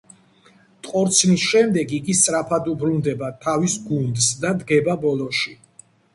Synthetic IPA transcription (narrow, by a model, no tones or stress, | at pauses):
t̪ʼqʼɔɾt̪sʰnisʃɛmd̪ɛɡiɡist̪sʼɾapʰad̪ubɾund̪ɛbat̪ʰavisɡund̪sd̪ad̪ɡɛbabɔlˠɔʃi